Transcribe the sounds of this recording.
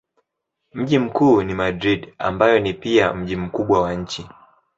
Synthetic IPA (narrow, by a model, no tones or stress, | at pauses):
m̩ʄim̩kuːnimadɾiɗa̰mbajɔnipiam̩ʄim̩kuɓwawaɲ̩t͡ʃi